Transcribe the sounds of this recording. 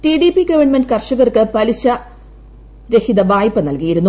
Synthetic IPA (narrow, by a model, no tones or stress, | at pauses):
ʈiɖipiɡɐʋɐɳmenɖɨkɐrʂɐɣɐrkɨpɐliɕɐ | ɾe̞hid̪ɐʋaːjpːɐnɐlkijiɾunːu